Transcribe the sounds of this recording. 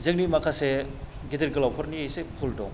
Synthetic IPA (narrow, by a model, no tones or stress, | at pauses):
zɯŋnimɐkʰase | ɡidiɾɡilawpʰɔɾnijejsepʰuldɔ̰ŋ